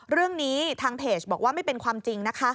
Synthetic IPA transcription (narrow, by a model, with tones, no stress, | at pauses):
ɾɯ˥˩əŋniː˦˥t̪ʰaː˧ŋpʰeː˨˩t͡ɕbɔː˨˩k̚waː˥˩ma˥˩jpe˧nkʰwaː˧mt͡ɕi˧ŋna˦˥kʰa˦˥